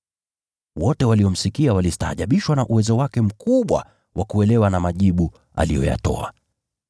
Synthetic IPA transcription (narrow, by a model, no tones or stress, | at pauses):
wɔtɛwaliɔm̩sikiawalisi̥taha̰ʄaɓiʃwanaʔuwɛzɔwakɛm̩kuɓwa̰ | wʔakuɛlɛwanamaʄiɓu | a̰lijɔ̰ja̰tɔ̰a̰